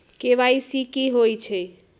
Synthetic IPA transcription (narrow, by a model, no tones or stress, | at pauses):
keʋaisikiɦojt͡ʃʰɛ